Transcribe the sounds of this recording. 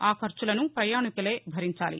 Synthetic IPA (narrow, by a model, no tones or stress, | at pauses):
aːkʰɐɾt͡ʃulɐnupɾɐjaːɳikɐleːbʱɐɾiɲt͡ʃaːlḭ